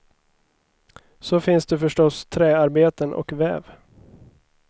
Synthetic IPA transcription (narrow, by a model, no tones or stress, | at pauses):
sɔfɪnsd̪ɛfœʂʈɔst̪ʰɾɛːaɾbeːt̪ənʔɔ̰kvɛ̰ːv